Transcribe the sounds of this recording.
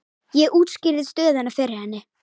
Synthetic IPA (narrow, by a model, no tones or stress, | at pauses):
jɛʔuːt̪scɪlðɪðst̪œːðɪnːafɪɾɪɾ̥hɛnːɪ